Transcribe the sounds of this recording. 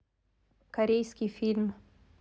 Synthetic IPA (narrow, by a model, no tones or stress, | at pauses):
kaɾejskifilm